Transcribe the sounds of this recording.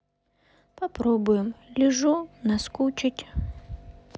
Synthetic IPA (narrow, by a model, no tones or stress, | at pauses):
pɐpɾɔbʊjɪmlʲɪʐɔnɐskut͡ʃɪtʲ